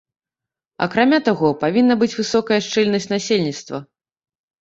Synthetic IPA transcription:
ɐ̰kɾamʲat̪aɣɔpavʲinːɐbɨt͡sʲvɨsɔkɐjɐʂt͡ʂɛlʲnɐsʲt͡sʲnasʲelʲnʲit̪st̪vɐ̰

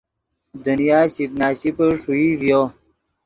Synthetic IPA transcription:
d̪unijaːɕiknaːɕipəʂuivjo

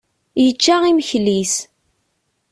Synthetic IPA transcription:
jət͡ʃːaʁiməçlis

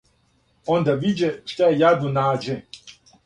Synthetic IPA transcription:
ond̪aʋid͡ʒɛʃt̪aɛjad̪unaːd͡ʒɛ

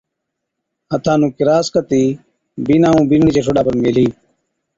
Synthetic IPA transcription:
ət̪ʰãːnũːkɪɾaːskət̪iː | biːnãːũːbiːnɳiːt͡ʃeːʈʰoɖaːpəɾmeːliː

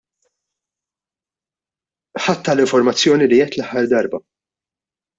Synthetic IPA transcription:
ħɐt̪ːɐlɪɱfɔɾmɐt͡sːjɔːnilijɛt̪lɐħːɐɾd̪ɐɾbɐ

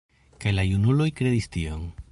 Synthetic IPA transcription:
kajlajunulo̞jkɾedistioŋ

